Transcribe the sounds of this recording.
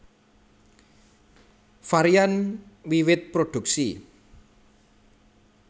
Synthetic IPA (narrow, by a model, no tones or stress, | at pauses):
faɾianwiwɪt̪̚pɾoɖ̥ṳk̚si